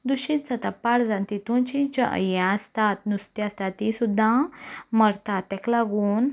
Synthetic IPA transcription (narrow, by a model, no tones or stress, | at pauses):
d̪uɕit̪t͡sat̪apaɽd͡zãnt̪it̪ũnt͡ɕĩt͡ɕəʔə̰jãast̪at̪nust̪iast̪at̪ːisud̪ʱːãməɾt̪at̪ːɛklaɡuːn